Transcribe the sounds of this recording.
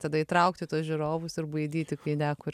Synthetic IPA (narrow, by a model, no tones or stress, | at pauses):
t̪ɐd̪ɐiːt̪ɾɐʊk̚t̪ʲɪt̪uɔsʒʲuɾoːʋʊsɪɾbɐɪd̪ʲiːt̪ʲɪkɐɪnʲæːkʊɾʲ